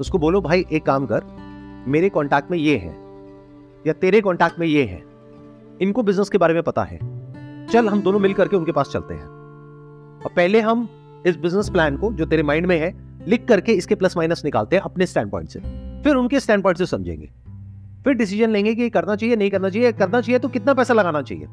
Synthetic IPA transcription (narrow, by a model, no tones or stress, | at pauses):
ʊskoboːlobʱaːiʔeːkːaːmkɐɾmeːɾekɔ̃ːɳʈɛːk̚ʈmẽjeɦɛ̰̃ː | jat̪eːɾekɔ̃ːɳʈɛːk̚ʈmẽjeɦɛ̰̃ː | ɪnkobɪznəskebaːɾemẽpɐt̪a̰ɦɛ̰ːt͡ʃɐlɦɐmd̪oːnõmɪlkɐɾkeʊnkepaːst͡ʃɐ̰lt̪ḛɦɛ̰̃ː | ɔːɾpɛɦleɦɐm | ɪsbɪznəsplɛːnkod͡ʒoːt̪eːɾemãːɪɳɖmẽɦɛ̃ | lɪkːɐɾkeɪskeplɐsmaːɪnəsnɪka̰ːlt̪eɦɛ̃ʔɐpnesʈɛ̰̃ːɳ̚pɔ̰ːɪɳʈsefɪɾʊnkesʈɛ̃ːɳɖp̬ɔ̃ːɪ̃ɳʈsesɐmd͡ʒʱḛ̃ːŋɡḛː | fɪɾɖɪs̬ɪʒənlẽːŋɡek̬ijekɐɾnat͡ʃaːɦienɐɦĩkɐɾnat͡ʃaːiekɐɾnat͡ʃaːɦiet̪okɪt̪napɛːsalɐɡaːnat͡ʃa̰ːɦḭḛː